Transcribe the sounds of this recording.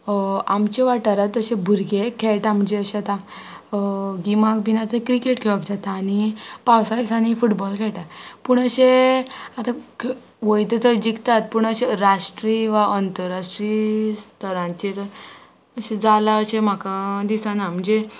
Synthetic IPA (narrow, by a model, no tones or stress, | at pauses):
amt͡ɕeʋaʈaɾat̪əɕẽbʱuɾɡekʰeɭʈam̤əɳd͡ʑeəɕeat̪ã | ɡimak̚binat̪kɾikeʈkʰeʋəpd͡ʑat̪aːnipawsajsañifuʈbɔlkʰɛɭʈat̪puɳəɕeat̪ak | ʋəjt̪ət͡səd͡ʑikt̪at̪puɳəɕeɾaʂʈɾiʋaʔənt̪əɾaʂʈɾist̪ʰəɾãɲt͡ɕeɾ | əɕed͡zalaəɕem̤akad̪isanam̤əɳd͡ʑe